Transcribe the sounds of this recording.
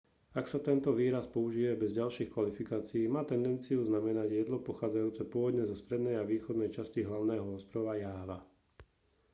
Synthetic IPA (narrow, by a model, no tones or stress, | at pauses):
aksat̪ɛnt̪ɔʋiːɾaspɔuʒiːʋɛbɛzɟalʃiːxkʋalifikaːt͡siiːmaːt̪ɛnd̪ɛnt͡siuznamɛnaɟjɛd̪lɔpɔxaːd͡zajuːt͡sɛpʊɔʋɔd̪ɲɛzɔst̪ɾɛd̪nɛjaʋiːxɔd̪nɛjt͡ʃasciɦlaʊnɛːɦɔɔst̪ɾɔʋajaːʋa